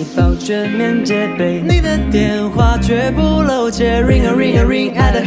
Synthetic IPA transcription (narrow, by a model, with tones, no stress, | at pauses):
pa˨˩ʊt͡ɕɛ˥˧nmɛ˥˧nt͡ɕɛ˧˦pe˨˧˩ɪni˨˩d̪ə˨˩t̪jɛ˨nxwa˥˧˩t͡ɕɥɛ˧˥pu˥˧lo˨˩ʊt͡ɕɛ˧ɹɪ˥˧ŋə˨ɹɪ˥˧ŋə˨ɹɪ˥˧ŋa˧˩ə˨